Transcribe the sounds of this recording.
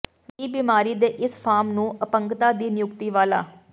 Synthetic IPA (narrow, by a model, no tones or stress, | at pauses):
ʋiːbimaːɾiːd̪eːʔɪspʰaːɾmnũːəpəŋkt̪aːd̪iːnɪjʊkt̪iːʋaːla̰ː